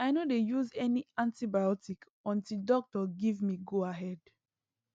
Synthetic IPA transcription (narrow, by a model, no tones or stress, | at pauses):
aɪnodejuzɛniãntibajɔtik | ɔ̃ntildɔk̚tɔɡivmiɡoaɦɛd̥